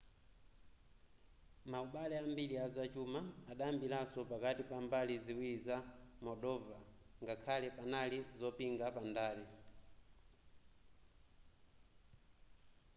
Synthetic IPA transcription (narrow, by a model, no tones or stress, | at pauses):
mauɓalɛambiliazat͡ʃumaːɗaambilasɔpakatipambaliziwilizamɔɗɔvaŋɡakʰalɛpanalizɔpiŋɡapandaːli